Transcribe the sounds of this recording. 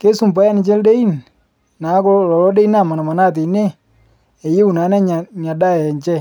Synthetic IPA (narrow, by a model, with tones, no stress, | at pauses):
ke˦su˨mpa˦ja˦nɪ˨t͡ʃɛ˦lde˦i˦n | na˨˦kɔ˦lɔ˨lɔ˦de˦i˦na˦˨ma˨na˨ma˨na˦˨t̬e˨˦ne˦ | e˨je˦u˨na˨˦nɛ˦˨ɲa˨da˦˨ɛ˨ɲt͡ʃɛ˦